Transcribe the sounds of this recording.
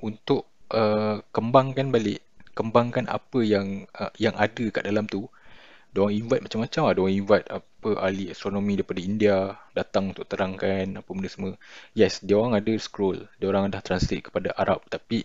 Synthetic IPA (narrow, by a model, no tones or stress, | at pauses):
unt̪ʊʔəkəmbaŋkanbalɪʔkəmbaŋkanʔa̰pəjaŋəjaŋʔadəkaʔdalamt̪udiaoɾaŋiɱvat̪̚mat͡ʃamːat͡ʃamadaoaŋiɱvat̪̚apəʔaliast̪ɾonomĩdaɾipadaindiadat̪aŋunt̪ʊʔ̚t̪əɾaŋkanapəməndəsəməjɛsdiaoɾaŋadəskɾɔldiaoɾaŋadaht̪ɾanslit̪̚kə̥padaʔaɾa̰p̚t̪api